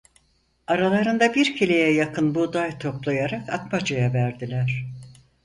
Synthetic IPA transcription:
aɾalˠaɾɯnd̪abiɾcʰelʲejɛjakʰɯnbud̪ajt̪ʰo̞plˠajaɾakat̪mad͡ʒajavæɾd̪ilʲæɾ̥

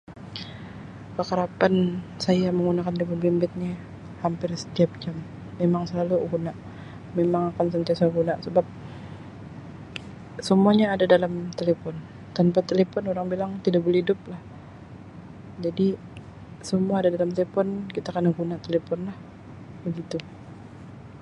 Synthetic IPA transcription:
kəkaɾapansajaməŋɡunakanelepɔnbimbɪt̪̚ni | hampɪrsə̥t̪iap̚d͡ʒamː | emaŋsəlaluɡunaʔ | memaŋakansənt̪iasaaɡunaʔsəbap̚ | səmuaɲaːdadalamt̪elefɔn | t̪anpat̪elefɔnoɾaŋbilaŋt̪idaʔbəlhidʊp̚lah | d͡ʒadi | səmuaːdadalamt̪elefɔnkit̪akənaɡunaʔt̪elefɔnlah | bəɡit̪u

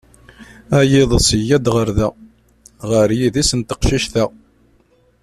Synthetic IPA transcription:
æjɪðˤəsəjːæd̪ʁəɾðæ | ʁəɾjiðisənt̪əqʃiʃθæ

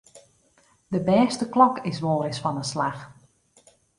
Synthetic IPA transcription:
dəbɛːstəklɔkɪsʋoːɾɪsfɔnəslax

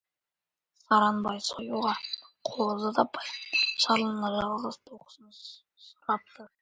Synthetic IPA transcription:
sɑɾɑnbɑjsojuʁɑqʰoolˠzɑt̪ɑpʰɑjʃɑɾlˠənɑʒɑlˠʁəzt̪ʰoqə̥sn | sʊɾɑp̚t̪ə

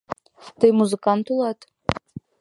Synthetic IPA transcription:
d̥ejmuzɨkant̪ʰulˠatʼ

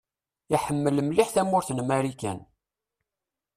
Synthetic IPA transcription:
iħəmːəlmliħθæmːʊɾθnmæɾikæ̰n

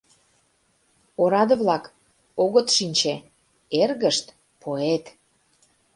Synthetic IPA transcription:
oɾɑd̪ə̆βlɑk | oɣət̪ʃinʲt͡ɕe | erɣəʃt̪ | pʰoet̪

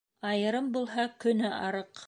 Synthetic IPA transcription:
ɑjɤ̆ɾɤmbulˠɦɑkɵ̆nɘʔɑɾɤq

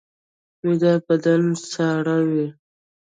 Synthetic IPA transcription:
wid̪abad̪ansaɽawi

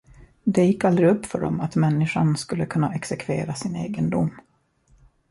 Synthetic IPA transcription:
d̪ɛjɪkːald̪ɾɪɵpːfœɖɔ̰mat̪mɛnːɪʂanskɵlːəkʰɵnːaɛksɛkʰvḛːɾasɪneːɡənd̪ʊmː

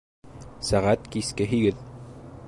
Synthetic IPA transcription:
sæʁæt̪kiskɘɦiɡɘð

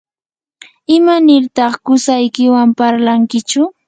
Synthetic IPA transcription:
ɪmanɪɾt̪ɑχkʊsajkɪwampaɾlaŋkɪt͡ʃʊ

